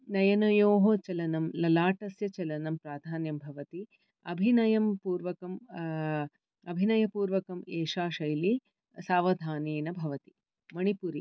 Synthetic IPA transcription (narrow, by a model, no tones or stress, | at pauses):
nɐjɐnɐjoːɦot͡ʃɐlɐnɐmlɐlaːʈɐsjɐt͡ʃɐlɐnɐmpɾaːd̪ʱaːnjɐmbʱɐʋɐt̪i | ɐ̰bʱinɐjɐmpuːɾʋɐkɐm | ɐbʱinɐjɐpuːɾʋɐkɐmeːʂaːʃɐjli | saːʋɐd̪ʱaːniːnɐbʱɐʋɐt̪i̥ | mɐɳipuɾi